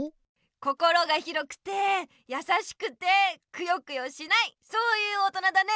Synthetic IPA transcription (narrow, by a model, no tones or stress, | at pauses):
ko̞ko̞ɾo̞ɡaçiɾo̞kɯ̟̥t̪e̞ | jasaɕi̥kɯ̟t̪e̞kɯ̟jo̞kɯ̟jo̞ɕinaiso̞ːjɯ̟ːot̪o̞nad̪ane̞